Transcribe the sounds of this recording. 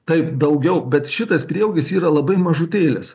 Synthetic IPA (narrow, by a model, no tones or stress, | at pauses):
t̪ɐɪpd̪ɐʊɡʲɛʊbʲɛt̪ʃʲɪt̪ɐspʲɾʲiɛʊɡʲɪsiːɾɐlˠɐbɐɪmɐʒʊt̪ʲeːlʲɪs